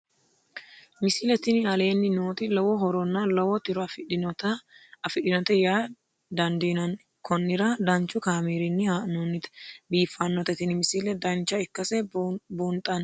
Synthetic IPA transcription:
mɪsilɛt̪ɪnɪɐle̞ːnːɪnoːt̪ɪlɐwɔɦɔɾɔnːɐlɐwɔt̪ɪɾɔfɪᶑɪnɔt̪ɐɐfɪɗɪnɔt̪ɛjaː | d̪ɐnd̪inɐn | kʰɔnːɪɾɐd̪ɐnt͡ʃːʊkaːmiːɾɪnːɪhanoːnːɪt̪biːfːɐnːɔt̪ɛt̪ɪnɪmɪsilɛd̪ɐnt͡ʃːɐɪkːɐsɛbuːnt̪ʼɐn

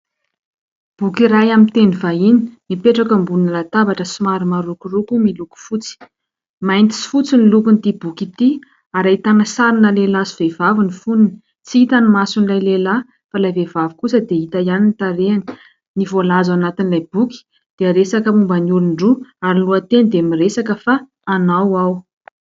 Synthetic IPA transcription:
b̥ukiɾajamint̪enivaini̥nipeʈ͡ʂakəmbulunalat̪abaʈ͡ʂəsumaɾimaɾukurukumiluku̥fut͡si̥ | majnt̪i̥si̥fut͡sinilukunit̪ibukit̪i | aɾait̪anəsaɾinəlelasi̥v̥evavinifunini̥ | t͡siit̪animasunlajlela | falajvevavikusəd̪eit̪ajanint̪aɾeani̥ | nivolazanat̪inlajb̥uki̥ | d̪̥eaɾesakəmumbanuluɳɖ͡ʐuaɾiluat̪enid̪emiresakəfaː | nawaw

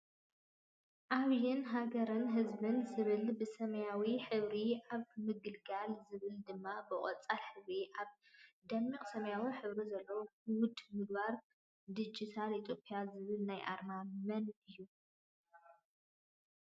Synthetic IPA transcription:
ʔaβjɪnɦaɡɐɾɨnɦɨzbɨnzɨβɨlbɨsɐmɐjawiħɨβɾiʔaβmɨɡɨlɡalzɨβɨld̪ɨmːabɨχʼɔt͡sʼːalħɨβɾiʔaβ | d̪ɐmːiqʼsɐmɐjawiħɨβɾizɐlːɐwohɨwʊd̪mɨɡ̚baɾ | d̪ɨd͡ʒit̪ʰalit̪ʰjo̞pʼjazɨβɨlnajʔa̰ɾmamɐnɨjːu

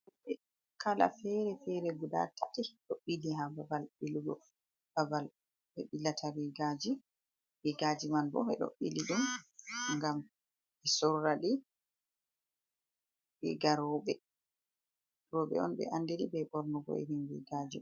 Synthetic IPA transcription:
ɛ | kʰala̰fɛɾɛfɛɾɛɡuda̰tːatiɗoɓːiliɦababalɓiluɡɔ̰ | kabal | ɓɛɓilːatʰawiɡad͡ʒi | wiɡad͡ʒimanbɔ̰ɛ̰ɗo̰ɓːḭliɗumŋɡam | ɛsɔrːaɗi | bɛ̰ɡaɾɔɓɛ | ɾɔɓɛ̰ɔ̰nɓɛ̰ʔandeɗibɛbɔɾnɔɡɔ̰ḛninwḭɡaːd͡ʒi

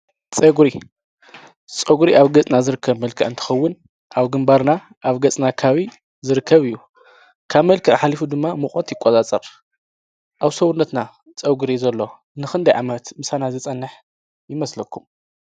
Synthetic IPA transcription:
t͡sʼɐɡɾi | t͡sʼɐɡuɾiʔaβɡɐt͡sʼnazɨɾɨkʰːɐβmɐlkʰɨ̰ʕɨnt̪ʰɨ̥xɐwːʊn | ʔaβɡɨmbaɾna | ʔaβɡɐt͡sʼnakʰaβi | zɨɾɨkʰːɐβɨjːu | kʰaβmɐlkʰiʔħalifud̪ɨmːamɨxʼot̪jɪkʼːot͡sʼat͡sʼɐɾ | ʔaβsɐwnːɐt̪na | t͡sʼɐɡuɾizɐlːo̞ | nɨxɨnd̪ɐjʕamɐt̪mɨsanazɨt͡sʼɐnːɨħ | jɪmɐslɐkʰːum

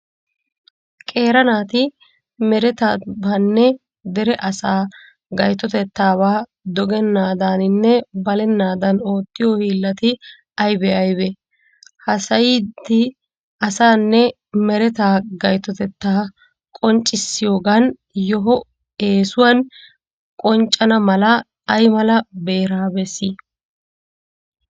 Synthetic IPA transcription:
kʼe̞ːɾɐnaːt̪ɪ | mɛɾɛt̪aːbaːnːɛ | d̪ɛɾɛʔɐsaː | ɡɐjt̪ːɔt̪ɛt̪ːaːbaː | d̪ɔɡɛnːaːd̪aːnɪnːɛbɐlɛnːaːd̪ɐno̞ːt̪ːɪjohiːlːɐt̪ɪ | ɐjbɛɐjbɛ | hɐsɐjid̪ɪ | ɐsaːnːɛ | mɛɾɛt̪aːɡɐjt̪ːɔt̪ɛt̪ːaː | kʼɔnt͡ʃʼːɪsːɪjo̞ːɡan | jɔɦɔ | e̞ːsʊwɐn | kʼɔnt͡ʃʼːɐnɐmɐlɐ | ɐjmɐlɐbe̞ːɾaːbɛsiː

